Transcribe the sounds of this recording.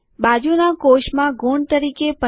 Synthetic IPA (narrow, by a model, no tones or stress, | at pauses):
bad͡ʒunakoʃmãɡoɳt̪əɾikepə